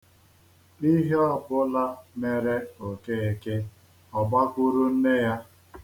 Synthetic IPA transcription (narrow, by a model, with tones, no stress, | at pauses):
i˦ɦe˦ɔ˦bʊ˦la˦me˨ɾe˦o˨ke˦˨e˨ke˦ | ɔ˨ba˦kʷu˦ɾu˦n̩˦ne˦ja˦